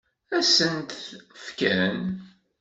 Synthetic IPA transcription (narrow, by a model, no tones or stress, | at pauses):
æsənt̪fkæn